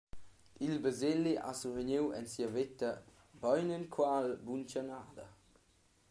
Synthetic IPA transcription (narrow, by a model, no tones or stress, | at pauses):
ilbəzeliʔa̰suvəɲiwɛ̰nsiəvet̪ə | bɔjnənkʰwalbunt͡ʃanaːd̪ə̰